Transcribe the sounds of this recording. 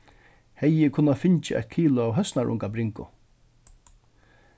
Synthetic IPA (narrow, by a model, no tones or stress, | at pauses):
hɛjːɪkʰʊnːafɪɲt͡ʃɪʔɛ̰t̪̚kʰiːlʊawɦœsnaɹʔʊ̰ŋkabɾɪŋkʊ̰